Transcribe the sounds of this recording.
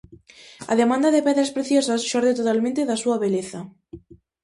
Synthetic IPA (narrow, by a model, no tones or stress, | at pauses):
a̰ðemãnd̪aðepɛðɾaspɾeθjosasʃoɾðet̪ot̪almẽnt̪eðasuaβeleθa